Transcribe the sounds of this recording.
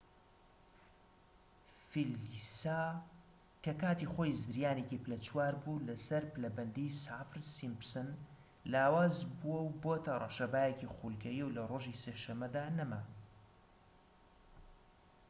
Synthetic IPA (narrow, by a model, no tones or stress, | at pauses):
filisa | kɐkaːt̪ixoːjzɨɾjaːnekiplɐt͡swaːɾbulɐsɐɾplɐbɐnd̪isafɾsimpsɨn | laːwaːzbuwɐwboːt̪ʰɐrˤɐ̰ʃɐbaːjecixulkʰɐjiwlɐroːʒiseːʃɐmːɐd̪aːnɐma